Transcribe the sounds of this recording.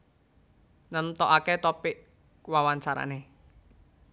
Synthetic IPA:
nənt̪ɔʔaket̪ɔpiʔ | wawant͡ʃaɾa̰ne

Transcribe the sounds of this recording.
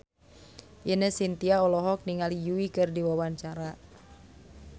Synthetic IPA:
ʔinəhsint̪iaɔlɔɦɔk̚niŋalijuikɨrdiwawaɲt͡ʃaɾa

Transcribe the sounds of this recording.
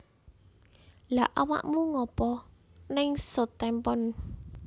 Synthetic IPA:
laʔawa̰ʔmuŋɔpɔ | nɪŋsot̪ɛmpɔn

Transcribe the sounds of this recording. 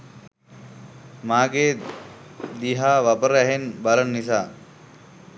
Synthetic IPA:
maːɡeː | d̪iɦaːʋapəɾæɦenbalənnis̬aː

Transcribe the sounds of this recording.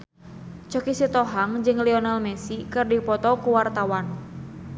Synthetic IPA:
t͡ʃɔkisit̪ɔɦaŋd͡ʒɨŋliɔnalmɛsikɨrdipɔt̪ɔkuwart̪awan

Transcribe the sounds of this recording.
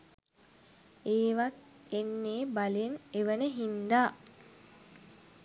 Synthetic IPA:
eːʋat̪ | enːeːbaleneʋənəɦind̪aː

